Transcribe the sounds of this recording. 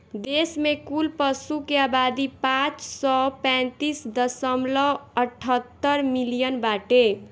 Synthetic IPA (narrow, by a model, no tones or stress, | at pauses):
d̪esmekulpəsukeabad̪ipãt͡ʃsɔpɛ̃nt̪isd̪əsəmlɔəʈʰːət̪ːəɾmilijənbaʈe